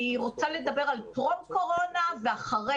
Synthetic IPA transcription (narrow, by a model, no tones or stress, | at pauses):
iʁot͡sale̞d̪abe̞ʁalpʁobko̞ʁo̞naveaχaʁe